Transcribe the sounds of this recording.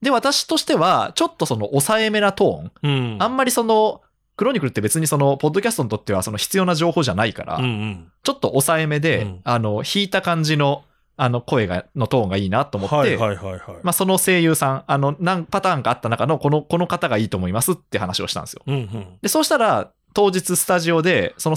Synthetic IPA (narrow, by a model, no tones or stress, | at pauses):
d̪e̞βat̪aɕi̥t̪o̞ɕi̥t̪e̞βat͡ɕo̞t̪ːo̞so̞no̞ʔosaeme̞nat̪õ̞ːŋãmːaɾʲiso̞no̞ | kɯ̟ɾo̞ɲ̟ikɯ̟t̪ːe̞be̞t͡sɨɲ̟iso̞no̞po̞d̪ːo̞kʲasɨ̥t̪o̞ɲit̪ot̪ːe̞β̞aso̞no̞çi̥t͡sɨjo̞naʑo̞ːhoːʑanaika̰ɾa̰t͡ɕo̞t̪ːo̞ʔːsaeme̞d̪e̞ano̞çiːt̪akãɲ̟d͡ʑino̞ | ano̞ko̞e̞ɡa̰no̞t̪õ̞ːŋɡaiːnat̪o̞ːmo̞t̪ːehamaso̞no̞se̞ːjɯːsãŋano̞nãŋpat̪aːŋɡaːt̪ːanakano̞ko̞noko̞no̞kat̪aɡaiːt̪o̞ːmo̞imasɨt̪ːe̟hanaɕio̞ɕi̥t̪ã̰esɨjod̪e̞so̞ːɕi̥t̪aɾa | t̪o̞ːʑit͡sɨsɨ̥t̪aʑio̞d̪e̞so̞no